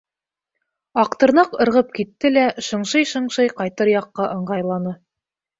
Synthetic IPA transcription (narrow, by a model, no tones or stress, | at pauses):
ɑqt̪ɤ̆ɾnɑqɤ̆ɾʁɤp̚kit̪ːɘlæʃɤ̆ɴʃɤjʃɤ̆ɴʃɤjqɑjt̪ɤɾjɑqːɑʔɤ̆ɴɢɑjlˠɑnɤ